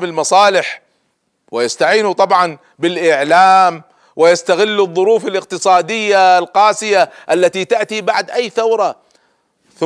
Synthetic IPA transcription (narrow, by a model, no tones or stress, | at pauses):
bɪlmɑsˤɑːlɪħ | wɪjɪst̪aʕiːnut̪ˤɑbʕɑn | bɪlʔɪʕlaːm | wɪjast̪aɣɪlːʊðˤːʊɾuːfɪlɪq̚t̪ɨsˤɑːd̪ɪjːalqɑːsɪjaʔalːat̪it̪aʔt̪ibaʕd̪ʔajːθawɾˤɑ | θ